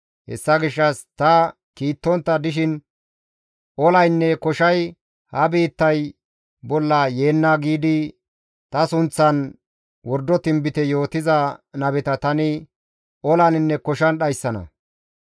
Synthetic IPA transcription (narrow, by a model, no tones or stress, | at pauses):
hɛ̰sːɐɡɪʃːɐst̪ɐ | kiːt̪ːɔnt̪ːɐd̪ɪʃɪn | ʔɔlɐjnːɛkɔʃɐj | hɐbiːt̪ːɐj | bɔlːɐje̞ːnːaːɡiːd̪ɪ | t̪ɐsʊnt͡sːɐn | wɔɾd̪ːɔt̪ɪmbɪt̪ɛjo̞ːt̪ɪzɐnɐbɛt̪ɐt̪ɐnɪ | ʔɔlɐnɪnːɛkɔʃɐnɗɐjsːɐnɐ̰